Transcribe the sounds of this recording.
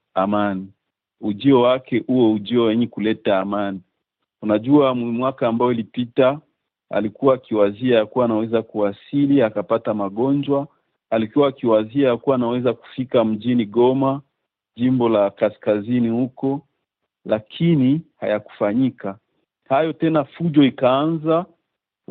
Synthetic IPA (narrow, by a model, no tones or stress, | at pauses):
amani | uʄiɔwakɛʔuwɛuʄiɔwɛɲɛkulɛtaːmani | unaʄuamwakaːmbaɔilipita | a̰likuwaːkiwaziajakuwaːnawɛzakuwasiliakapatamaɠɔnd͡ʒwa | alikuwaːkiwaziajakuwaːnawɛzaku̥fikam̩ʄiniɠɔma | ʄimbɔlakaskazinihukɔ | lakʰiniha̰jaku̥faɲika | hajɔtɛnafuʄɔikaanza